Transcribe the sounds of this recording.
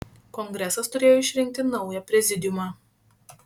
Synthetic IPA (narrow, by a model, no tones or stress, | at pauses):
kɔŋɡɾʲɛsɐst̪ʊɾʲeːjoɪʃʲɾʲɪŋʲk̚ʲt̪ʲɪnɒʊjɛpʲɾʲɛzʲɪd̪ʲɪjʊmɑː